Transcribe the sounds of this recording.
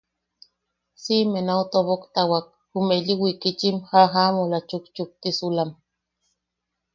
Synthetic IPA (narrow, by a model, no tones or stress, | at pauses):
simenaut̪oβokt̪awak̚ | humeʎiwikit͡ʃimhaɦamolat͡ʃukt͡ʃuk̚t̪isulam